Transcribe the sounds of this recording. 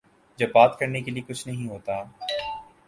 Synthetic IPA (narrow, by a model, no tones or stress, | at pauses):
d͡ʒɐbːaːt̪kɐɾnekeliekʊt͡ʃʰnɐɦĩɦoːt̪aː